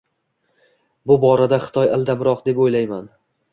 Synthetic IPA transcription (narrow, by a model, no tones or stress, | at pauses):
bʊbɒɾad̪aχɨ̥t̪ʰɒjalˠd̪amɾɒqd̪e̞pojlajman